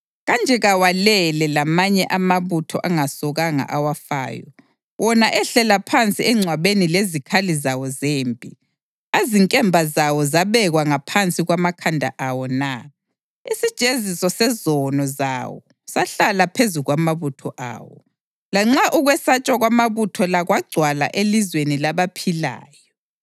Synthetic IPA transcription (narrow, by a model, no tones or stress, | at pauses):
ɣand͡ʒʱɛɣawalɛlɛlamaɲɛʔamaβutʰɔ̰ʔaŋasɔɣaŋa̰ʔawafa̰ːjɔ̰ | wʔɔnaʔɛɬɛlapʰant͡sʼiɛŋ͡ǀʱwaβenilezikʰalizawɔzeːmpʼi | aziŋkʼɛmbʱazawɔzaβɛɣwaŋapʰant͡sʼiɣwamakʰandʱa̰ʔawɔna | isid̥ʒ̥ʱezisɔsɛzɔnɔza̰wɔ̰ | saɬalapʰezuɣwamaβutʰɔ̰ʔa̰ːwɔ̰ | laŋ͡ǁaʔuɣwɛsat͡ʃʼwaɣwamaβutʰɔlaɣwaɡ͡ǀʱwala̰ʔelizwenilaβapʰila̰ːjɔ